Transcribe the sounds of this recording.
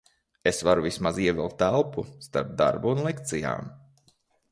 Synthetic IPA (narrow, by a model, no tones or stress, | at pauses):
esvaɾuvismaziɛvʲɛlˠt̪ːælˠpust̪a̰ɾp̚d̪a̰ɾbuːnlˠɛkt̪sija̰ːm